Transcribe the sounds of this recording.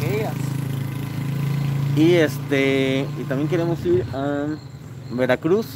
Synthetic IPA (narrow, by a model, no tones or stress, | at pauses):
ejɐs | iest̪eit̪ãmjẽŋkeɾemʊsiɾa | beɾakɾus